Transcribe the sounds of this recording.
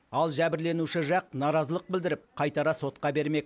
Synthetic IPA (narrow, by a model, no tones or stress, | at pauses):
ɑlˠʒæbɪɾle̞nuʃɪʒɑq̚nɑɾɑzəlˠəq̚bɪld̪ɪɾɪp̚qʰɑjt̪ɑɾɑso̞t̪̚qɑbe̞ɾme̞k̚